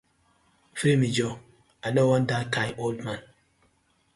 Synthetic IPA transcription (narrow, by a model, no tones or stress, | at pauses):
fimid͡ʒɔ | anɔwandakajʔoldman